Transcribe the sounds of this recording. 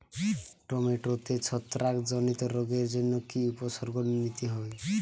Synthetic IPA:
ʈɔmeʈot̪et͡ʃʰɔt̪ɾakd͡ʒɔnit̪ɔɾoɡeɾd͡ʒɔnːɔkiupɔsɔɾɡɔnnit̪iɦɔj

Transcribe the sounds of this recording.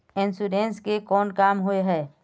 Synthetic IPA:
ɪnsuɾẽːnskekɔːnkaːmɦoeɦɛː

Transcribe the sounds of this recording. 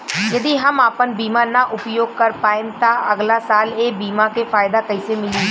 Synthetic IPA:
d͡ʒəd̪iːɦəmaːpənbiːmãːnaːʔʊpjoːɡ̚kəɾpaːẽnt̪ãːʔəɡlaːsaːleːbiːmãːkeːfʰaːɪd̪aːkəiseːmɪliː

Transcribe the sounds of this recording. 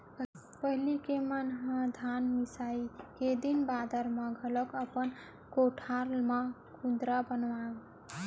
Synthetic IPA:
pəɦlikemanɦãd̪ʱanmisaiked̪inbad̪əɾmʌ̃ɡʱələkəpən | koʈʰalma | kũd̪ɾabənʋaɡ

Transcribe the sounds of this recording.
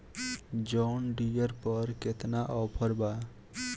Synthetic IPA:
d͡ʒɔnɖijeɾpɔɾket̪naʔɔwpʰɔɾba

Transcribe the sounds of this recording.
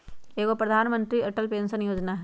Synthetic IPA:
eːkopɾɐd̪ʱaːnmə̃nt̪ɾiɐʈəlpeːnsənjoːd͡ʒnaɦ

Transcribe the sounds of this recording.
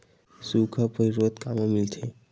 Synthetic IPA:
sukʰɔpɔiɾod̪kamomilt̪ʰe

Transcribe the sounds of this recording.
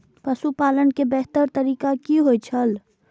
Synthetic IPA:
pəsupaːlənkebɛɦt̪əɾt̪əɾiːkakiɦojt͡ʃʰəl

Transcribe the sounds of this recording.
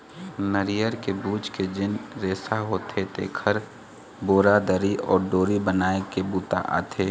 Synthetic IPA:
nəɾijəɾkebuːt͡ʃked͡ʒɪnɾeːsaɦoːt̪et̪ḛːkʰəɾ | boːɾad̪əɾiɔːɾɖoːɾibənaːekebuːt̪a̰ʔa̰ːt̪ʰeː

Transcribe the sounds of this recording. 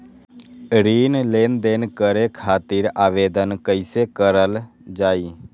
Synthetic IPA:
ɾiːnleːnd̪eːnkəɾekʰaːt̪iːɾaːʋeːd̪ənkəɪsekəɾəl | d͡ʒaːiː

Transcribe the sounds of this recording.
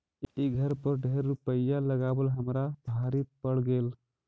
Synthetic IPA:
iɡʱəɾpəɾɖʱeɾːupəjjaləɡabəlɦəmɾabʱaɾipəɽɡel

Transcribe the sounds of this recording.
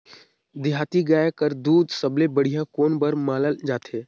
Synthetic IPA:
d̪ɪɦaːt̪iɡaːjkəɾd̪uːd̪səblebəɽ̤ijãkoːnbəɾmaːləld͡ʒaːt̪ʰeː

